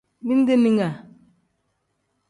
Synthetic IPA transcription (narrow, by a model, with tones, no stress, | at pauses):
bi˦n˦de˦ni˦ŋa˨